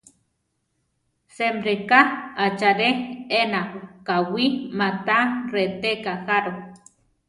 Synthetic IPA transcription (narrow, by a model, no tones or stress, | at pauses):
semɾekaat͡ʃaɾeenaokawimat̪aret̪ekaxaɾo